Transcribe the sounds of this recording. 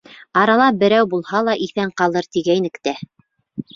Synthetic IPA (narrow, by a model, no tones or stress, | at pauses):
ɑɾɑlˠɑbɘ̆ɾæwbulˠhɑlˠɑʔiθæɴqɑlˠɤɾt̪iɡæjnɘ̆kt̪æ